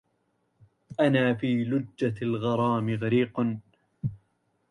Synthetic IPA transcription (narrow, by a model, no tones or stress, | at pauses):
ʔanaːfiːlʊd͡ʒːalɣɑɾˤɑːmɪɣaɾiːqn